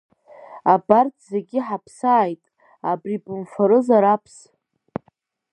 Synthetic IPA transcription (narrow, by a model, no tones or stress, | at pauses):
abartʼʰze̞ɡʲɪħapʰsaːjtʼ | abripʼɨmfaɾɨzaɾapʰs